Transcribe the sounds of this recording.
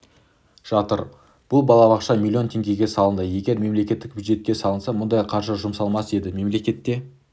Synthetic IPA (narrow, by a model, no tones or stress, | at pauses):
ʒ̥ɑt̪ə̰ɾ | b̥ʊlˠbɑlˠɑbɑqʃɑmʲilʲːio̞nt̪ʰeŋɡʲe̞ɡʲe̞sɑlˠənd̪əje̞ɡʲe̞ɾme̞mle̞kʲe̞t̪ːɪk̚bʲjud̪ʒe̞t̪̚kʲe̞sɑlˠənsɑmʊnd̪ɑjqʰɑɾʒəʒʊmsɑlˠmɑse̞d̪ɪme̞mle̞kʲe̞t̪ːe̞